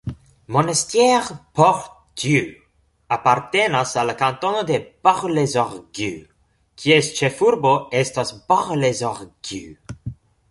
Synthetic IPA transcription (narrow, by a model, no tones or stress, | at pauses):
monest̪jɛʁpɔʁ | d̪jy | apaɾt̪enasalakãnt̪onod̪eb̥aʁlezɔʁɡy | kʰiɛst͡ʃefuɾboɛst̪asbaʁlezoʁɡ̥y̰